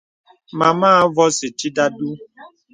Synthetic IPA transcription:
ma˨maː˦vɔ˦si˨t͡ʃi˦da˦du˦

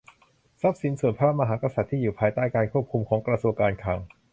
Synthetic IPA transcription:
sa˦˥p̚si˩˦nsu˨˩ənpʰa˧a˥˩p̚ma˧ɦaː˩˦˥ka˧sa˨˩t̪ʰːiː˥˩juː˨˩pʰaː˧jt̪aː˥˩jkaː˧nkʰu˥˩p̚kʰu˧mkʰɔː˩˦ŋkɾa˧su˧əŋkaː˧nkʰaː˧ŋ

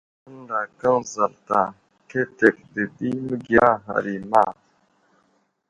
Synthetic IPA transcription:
ə˦ŋɾa˨kɐ˦nzɐ˨lt̪a˨ | kʰe˦t̪e˨kd̪e˨d̪i˦mɡjaː˦ɦɐ̰˨ɾi˨ma˦

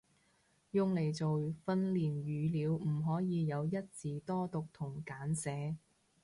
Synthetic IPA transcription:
jʊ˧ŋle˨˩jt͡so˨wfɐ˧nliː˨˩njyː˨˧liː˨˧wm̩˨˩ɦɔː˨˥jiː˨˧jɐ˨˧wjɐ˥t̚t͡siː˨t̪ɔː˥t̪ʊ˨k̚t̪ʰʊ˨˩ŋkaː˨˥nsɛː˨˥

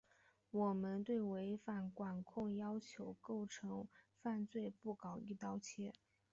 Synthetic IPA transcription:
wɔ˨˩mə˦˥nt̪we˥˩ɪwe˧˥ɪfa˨˩nkwa˨˩nkʰʊ˥˩ŋjɑ˥ʊt͡ɕʰjo˧˥ʊko˥˩ʊʈ͡ʂʰɤ˧˥ŋfa˥˧nt͡swe˥˧ɪpu˥˩kɑ˨˩ʊi˥˩t̪ɑ˥ʊt͡ɕʰjɛ˥

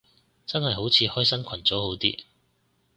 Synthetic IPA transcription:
t͡sɐ˥nhɐ˨jɦo˨˥wt͡sʰiː˨˧hɔː˥jsɐ˥nkʷʰɐ˨˩nt͡so˨˥who˨˥wt̪ḭː˥

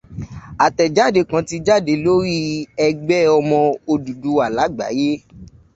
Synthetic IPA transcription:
a˨tɛ˨d͡ʒa˦˨de˨˦kã˨˧ti˧˦d͡ʒa˦˨de˨˧˦lo˦ɾi˦ɛ˧ɡ͡bɛ˦ɔ˧mɔ̃˧o˧du˨du˨˦a˨la˨˦ɡ͡ba̰˨˦je˦

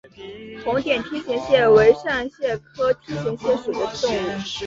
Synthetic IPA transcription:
t̪ʰʊ˧˥ŋt̪jɛ˨˩nt̪ʰi˥ɕi˧˥ŋɕjɛ˥˩we˧˥ɪʂa˥˧nɕjɛ˥˩kʰɤ˥t̪ʰi˥ɕi˧˥ŋɕjɛ˥˩ʂu˨˩d̪ə˦t̪ʊ˥˧ŋu˥˩

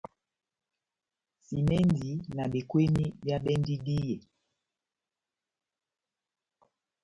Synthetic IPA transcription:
si˨mɛ˦ndi˨˦na˨ɓi˨kwe˦ni˦bja˦ɓɛ˦ndi˦di˦jɛ˨

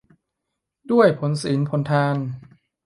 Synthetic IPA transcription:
du˥˩əjpʰo˩˦nsiː˩˦npʰo˨˩˦nt̪ʰaː˧n

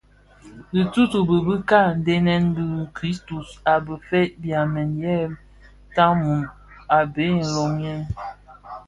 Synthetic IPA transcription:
di˨tu˦tu˨bə˨bə˦ka˦˨n̩˨˦de˦nɛ˦nbi˦˨kɾi˦stu˨sa˨bə˨fe˦t̚bja˨mɛ˨njɛ˦˨ | ta˦mu˨n | a˨be˨˦˨lɔ˨ŋjɛ˦n

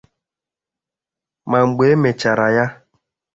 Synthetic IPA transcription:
ma˨ŋ͡m̩˨ɡ͡be˨˦mɛ˨t͡ʃa˨ɾa˨ja˦

